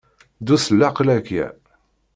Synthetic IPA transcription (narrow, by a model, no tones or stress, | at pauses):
d̪usəlːaqlækjæ̰